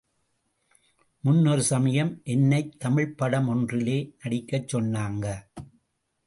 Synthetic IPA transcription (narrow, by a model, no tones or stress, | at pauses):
mʊnːɔɾɯsɐmɐjɐmʔɛnːɐɪt̪ʰːɐmɪɻpːɐɽɐmɔndrɪleːnɐɽɪkːɐt͡ʃːɔnːaːŋɡɐ